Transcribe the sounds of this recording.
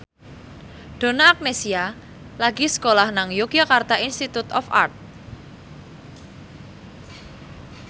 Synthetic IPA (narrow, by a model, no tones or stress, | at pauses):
ɖ̪̥o̤naːk̚nesia | laɡisə̥kolahnaŋjokijakart̪aʔinst̪it̪ut̪ɔ̰fa̰rt̪̚